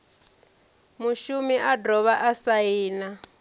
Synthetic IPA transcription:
muʃumiʔadɔβaʔasaiːna

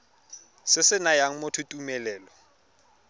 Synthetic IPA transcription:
sɪsɪnajaŋ̩motʰutʼumɛlɛːlɔ

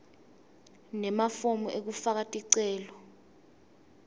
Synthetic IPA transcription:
nɛmafomɔʔek̬ufak̬atʼiǀɛːlɔ

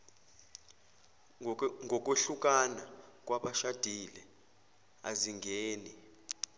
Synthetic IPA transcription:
ŋɡʱɔk̬ʼweɬuk̬ʼanak̬ʼwaɓaʃad̥ʱilɛ | a̰ziŋɡʱeːni

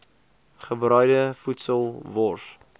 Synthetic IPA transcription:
χəbrœɥdəfutsəlˠvɔs

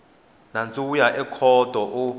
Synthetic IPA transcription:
nant͡sʼujaʔɛkʰɔd̥ʱɔʔu

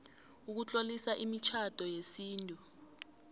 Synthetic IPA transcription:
uk̬ut͡ɬʼolisaʔimit͡ʃʰad̥ʱɔjesiːntʼu

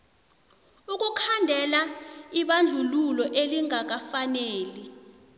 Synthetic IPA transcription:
uk̬ʼukʰandʱɛlaiɓand͡ɮʱululɔʔeliŋak̬afaneːli

